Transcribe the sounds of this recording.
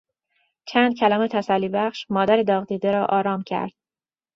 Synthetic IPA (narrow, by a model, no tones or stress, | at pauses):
t͡ʃʰænd̪̥̚cʰælɒːmet̪ʰæsælːiːbæχʃmɒːd̪æɾed̪ɒːɣd̪iːd̪eɾɒːʔɒːɾɒːmcʰæ̰ɾd̪̥̚